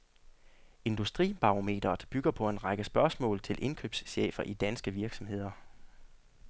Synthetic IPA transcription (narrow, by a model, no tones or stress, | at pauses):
e̝nd̥usd̥ʁḭːb̥ɑ̈ome̝̰ːd̥ɐð̩ˠb̥yɡ̥ɐpʰɒ̽e̝nʁɑɡ̥əsb̥ɶɐsmɔ̰ːlt͡sʰe̝lʔe̝nkʰø̰ːb̥sɕḛːfɐʔid̥ænsɡ̥əʋiɐɡ̥sɒ̽mhe̝ð̰ˠɐ